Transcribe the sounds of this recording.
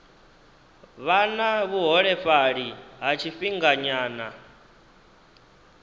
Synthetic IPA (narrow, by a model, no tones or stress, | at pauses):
βanaβuɦɔɺɛɸaɺiɦat͡ʃʰifiŋɡaɲaːna